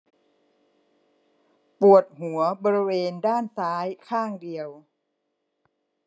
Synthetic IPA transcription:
pu˨˩ət̪̚hu˨˩˦ɐbɔː˧ɾi˦weː˧ndaː˥˩nt̪aː˦˥jkʰaː˥˩ŋdi˧əw

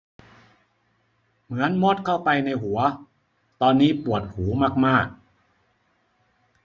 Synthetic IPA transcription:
mɯ˩˦ənmoː˥˩t̪̚kʰa˥˩wpa˧jna˧jɦu˩˦ɐ | t̪ɔː˧nːiː˦˥pu˨˩ət̪̚huː˩˦maː˥˩k̚maː˥˩k̚

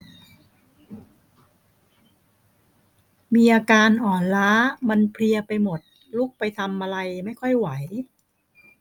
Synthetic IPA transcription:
miː˧ʔaː˧kaː˧nʔɔː˨˩nlaː˦˥ma˧npʰli˧ɐpa˧jmo˨˩t̪̚ | luː˥˩k̚pa˧jt̪ʰa˧mʔa˧ɾa˧jma˥˩jkʰɔ˥˩jwa˩˦j

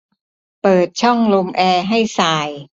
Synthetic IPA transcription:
pɤː˨˩t̪̚t͡ɕʰɔ˥˩ŋlo˧mʔɛː˧ɦa˥˩jsaː˧j

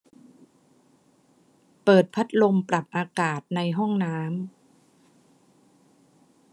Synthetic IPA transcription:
pɤː˨˩t̪̚pʰa˦˥t̪̚lo˧mpɾa˨˩p̚ʔaː˧kaː˨˩t̪̚na˧jɦɔ˥˩ŋnaː˦˥m

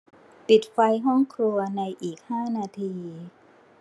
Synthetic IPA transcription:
pi˨˩t̪̚fa˧jɦɔ˥˩ŋkʰɾu˧ɐna˧jʔiː˨˩k̚haː˥˩naː˧t̪ʰiː˧

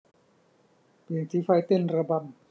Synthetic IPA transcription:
pi˧˩ŋsʰi˦fa˧˩jt̪e˥˩˨nɾa˧ba˧˩m

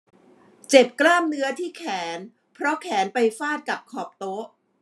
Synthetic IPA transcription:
t͡ɕe˨˩p̚klaː˥˩mnɯ˦˥ɐt̪ʰiː˥˩kʰɛː˩˦n | pʰɾɔ˦˥kʰɛː˩˦npa˧jfaː˥˩t̪̚ka˨˩p̚kʰɔː˨˩p̚t̪o˦˥ʔ

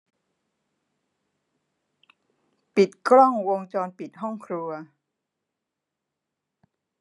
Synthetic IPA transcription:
pi˨˩t̪̚kʰɾɔ˥˩ŋwo˧ŋt͡ɕɔː˧npi˨˩t̪̚ɦɔ˥˩ŋkʰɾu˧ɐ

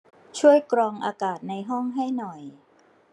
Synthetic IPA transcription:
t͡ɕʰu˥˩əjkɾɔː˧ŋʔaː˧kaː˨˩t̪̚na˧jɦɔ˥˩ŋɦa˥˩jnɔ˨˩j

